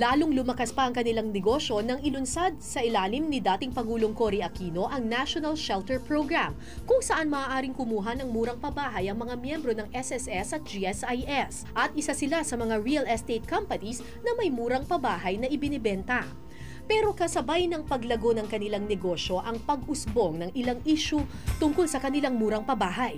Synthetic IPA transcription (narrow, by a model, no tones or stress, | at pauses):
laːlʊŋlʊmɐkaspɐʔɐŋkɐnɪlaŋnɛɡo̞ʃo̞nɐŋɪlʊnsad̪̚sɐʔɪlaːlɪmnid̪aːt̪ɪŋpɐŋuːlo̞ŋkoɾiʔɐkiːno̞ʔɐŋnaʃonɐlʃɛlt̪ɛɹpɹoɡɹam | kʊŋsɐʔanmɐːʔaːɾɪŋkʊmuːɦɐnɐŋmuːɾɐŋpɐbaːɦɐjɐŋmɐŋamjɛmbɾo̞nɐŋɛsɛsɛsɐt̪̚d͡ʒiɛsajʔɛs | ʔɐt̪̚ʔɪsasɪlasɐmɐŋaɹiɐlɛst̪ejt̪̚kɐmpɐnis | nɐmɐjmuːɾɐŋpɐbaːɦɐjnɐʔɪbɪnɪbɛnt̪ɐ | pɛːɾo̞kɐsɐbajnɐŋpɐɡlɐɡo̞nɐŋkɐnɪlaŋnɛɡoʃo̞ʔɐŋpɐɡʔʊsbo̞ŋnɐŋʔɪlaŋʔiʃu | t̪ʊŋkolsɐkɐnɪlaŋmuːɾɐŋpɐbaːɦɐj